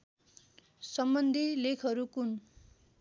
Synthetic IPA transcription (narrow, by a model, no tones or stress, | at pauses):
sʌmbʌnd̪ʱilekʰʌɾukun